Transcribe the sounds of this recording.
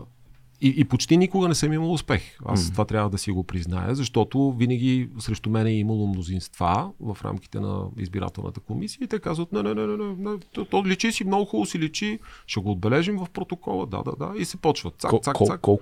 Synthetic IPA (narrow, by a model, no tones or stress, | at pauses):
iʔːpot͡ʃt̪inikʊɡənɛsɛmiməlˠʊspɛxa̰st̪ovat̪ɾʲavəd̪ɐsiɡopɾizna̰jə̰zɐʃt̪ɔt̪ʊvinəɡ̟isɾɛʃt̪omɛnɛɛiməlˠomnozinst̪va̰vɐfɾa̰mki̥t̪ɛ̰nɐ̰ḭzbiɾa̰t̪ɛlˠnə̰t̪ə̥komisijəit̪ɛkazvət̪nɛnɛnɛnɛnɛnɛt̪t̪ɔlit͡ʃisimnoɡʊxɔlˠosilit͡ʃiʃɛɡoːd̪̚bɛlɛʒimvɐfpɾot̪okɔ̰lˠə̰d̪a̰d̪a̰d̪a̰isɛpɔt͡ʃvət̪t̪sat̪sasa